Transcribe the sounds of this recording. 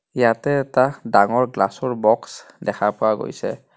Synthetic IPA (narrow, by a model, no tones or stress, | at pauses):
jatɛːtadaŋɔɹɡlasɔɹbɔks | dɛkʰapʊwaɡo̰jsɛ̰